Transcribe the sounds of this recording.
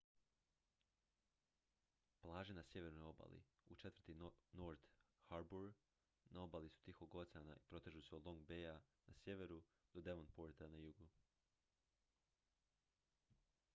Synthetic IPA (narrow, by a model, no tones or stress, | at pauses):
plˠaːʒenasje̞ʋe̞ɾnojo̞ba̰lḭ | ut͡ʃe̞t̪vɾr̩t̪inoɾt̪ | haɾbuɾ | nao̞balisu̥t̪ixoɡot̪sʲana̰ʔipɾo̞t̪eʒuseo̞d̪lˠo̞ŋɡ̚beanasʲje̞ʋe̞ɾu | d̪̥od̪e̞ʋonpoːɾt̪anajuɡu